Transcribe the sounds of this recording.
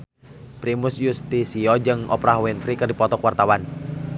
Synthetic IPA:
pɾimusjust̪isiɔd͡ʒɨŋɔ̰pɾaɦwinfɾikɨrdipɔt̪ɔkwart̪awan

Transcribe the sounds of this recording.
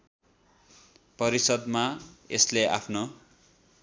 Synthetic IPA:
pʌɾisʌd̪maḛsleʔa̰pʰno

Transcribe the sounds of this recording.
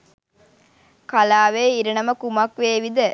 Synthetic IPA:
kalaːʋeːiɾɐnɐməkumɐkʋeːʋid̪ə

